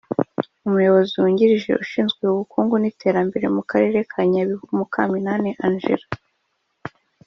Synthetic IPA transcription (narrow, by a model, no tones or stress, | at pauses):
umujo̞βo̞ziuːɲɟiɾiʒe̞̰ʔuʃiːnzɡwe̞uβukʰuːŋɡunitʰe̞ːɾambe̞ɾe̞̰mukaɾe̞ːɾe̞kʰaɲaβiβumukaminaːneʔanʒḛɾa